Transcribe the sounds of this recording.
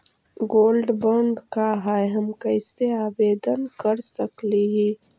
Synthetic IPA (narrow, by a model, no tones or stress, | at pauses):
ɡoːlɖbəɳɖkaɦaɦɐmkəɪseaːbeːd̪ənkəɾsəkliɦi